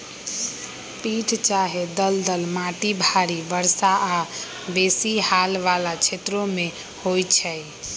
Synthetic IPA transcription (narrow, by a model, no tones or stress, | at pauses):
piʈʰt͡ʃaɦed̪əld̪əlmaʈibʱaɾibəɾsaː | besihalʋalat͡ʃʰet̪ɾõme | hojt͡ʃʰɛj